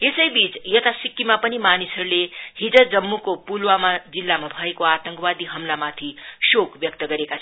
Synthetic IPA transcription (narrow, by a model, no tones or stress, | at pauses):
esəjbit͡sjət̪asikːimapənimanisəɾlehid͡zəd͡zəmːukopulʋamad͡zilːamabʱəekoat̪ə̃ŋkʋad̪iɦəmlamat̪ʰiʃokʋjək̚t̪əɡəɾeka